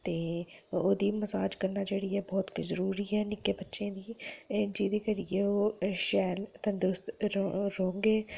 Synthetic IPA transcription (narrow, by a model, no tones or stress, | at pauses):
t̪eːoːd̪iːməsaːd͡ʒkəɾnaːd͡ʒeːɽiːɛːbɔːt̪kzəɾuːɾiːɛːnɪkeːbətːʃẽːd̪iːd͡ʒiːd̪eːkəɾijeːoːʃɛːlt̪ə̃nd̪ɾʊst̪ɾõːŋɡeː